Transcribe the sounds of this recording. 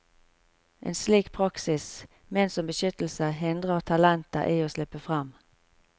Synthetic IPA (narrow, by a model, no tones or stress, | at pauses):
ʔḛːnsliːkpʰʁɑksɪs | mɛnsɔmbəʃʏt̪l̩səɦɪnd̪ʁəʁt̪ʰɑlɛnt̪ɑ̰ʔiːoːslɪpːəfʁɑm